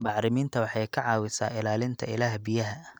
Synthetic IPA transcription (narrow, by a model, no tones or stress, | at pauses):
bɑʕɾɪmiːnt̪ʰɐwɑħɑjkʰɑʕɑːwɪsa̰ːɪlaːlɪnt̪ʰɐɪ̰laːhbɪjɐɦɐ